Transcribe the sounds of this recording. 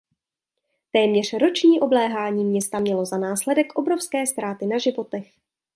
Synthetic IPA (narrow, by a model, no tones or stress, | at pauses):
t̪ɛːmɲɛr̝̥ɾo̞t͡ʃɲiːʔo̞blɛːɦaːɲiːmɲɛst̪amɲɛlo̞zanaːslɛdɛkʔo̞bɾofskɛːst̪ɾaːt̪ɪnaʒɪvo̞t̪ɛx